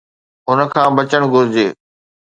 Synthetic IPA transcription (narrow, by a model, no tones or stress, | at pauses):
ʊnə̆kʰãːbɐt͡ɕəɽ̃ɡʱʊɾɪd͡ʑeː